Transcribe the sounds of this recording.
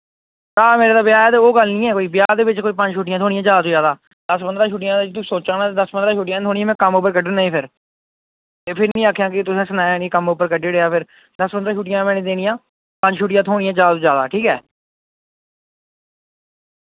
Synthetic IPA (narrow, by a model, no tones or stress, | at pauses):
t̪aːmeːɾeːt̪aːbɪjaːɛːt̪eoːɡəlnĩːɛːkoːiːbjaːd̪eːʋɪt͡ʃkoːiːpə̃ɲd͡ʒʃuːʈɪjãːt̪ʰoːɽɪjãːd͡ʒjaːd̪aːt̪õːd͡ʒjaːd̪aː | d̪̥əsbənd̪ɾãːʃuːʈɪjãːd̪et͡ʃt̪̬uːsoːt͡ʃaːnaːt̪eːd̪əsbənd̪ɾaːʃuːʈijãːt̪ʰoːɽiːaːmɛ̃ːkəmʊp̬ːəɾkəɖənnaːĩːpʰɪɾ | t̪eːpʰɪɾnĩːaːkʰːjãːkɪt̪ʊsẽːsənaːjːnikəmʊpəɾkəɖeːɽeːaːpʰɪɾ | d̪əspənd̪ɾaːʃuːʈ̬ɪjãːmɛ̃ːnẽːd̪eːnijãː | pəɲd͡ʒʃʰuːʈɪjãːt̪ʰoːɽ̃ijãːd͡ʒaːd̪at̪oːd͡ʒjaːd̪a̰ːʈʰiːkɛ̰ː